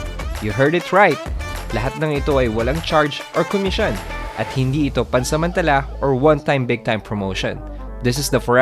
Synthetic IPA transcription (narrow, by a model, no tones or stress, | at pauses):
juɦɛɹd̪ɪt̪ɹajt̪̚lɐɦat̪̚nɐŋɪt̪o̞ʔɐjwɐlaŋt͡ʃaɹd͡ʒʔɔɹkomɪʃonʔɐt̪̚hɪnd̪iɪt̪o̞pɐnsɐmɐ̃nt̪ɐlaʔɔɹwɐ̃nt̪ãjmbɪɡ̚t̪ãjmpʰɹɔmoʊʃɔ̰̃n | d̪ɪs̬ɪsd̪ɐfɔ